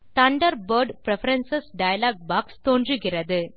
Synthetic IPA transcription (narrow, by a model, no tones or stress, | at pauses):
t̪ɐɳɖɐɾbɐɾɖpɾɛfɐɾɐnsɐsɖɐjɐlaːɡ̚baːkst̪oːndrɯɣɪrɐðɯ